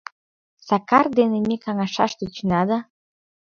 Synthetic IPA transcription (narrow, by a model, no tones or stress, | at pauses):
sɑkɑrd̪enemekɑŋɑʃɑ̰ʃt̪et͡ɕnɑd̪ɑ